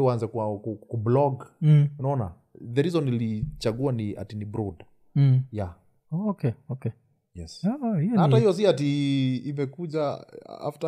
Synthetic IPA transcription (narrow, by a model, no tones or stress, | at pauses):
wanzakuakukublɔɡunaɔna̰ | ðɛɾizɔnilit͡ʃaɠuania̰tinibɾud̩ | ja | kɛɔkɛ | jɛshijahatahijɔs̬iatiːmɛkuʄa̰a̰fta